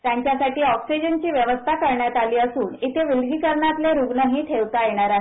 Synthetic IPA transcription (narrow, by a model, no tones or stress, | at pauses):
t̪jaɲt͡ɕjasaʈiːɔksid͡ʑənt͡ɕiːʋjəʋəst̪ʰakəɾɳjat̪aliːəsuːnit̪ʰeʋilɡiːkəɾɳat̪leɾuɡɳəɦiːʈʰeʋt̪ajeɽ̃aɾaɦ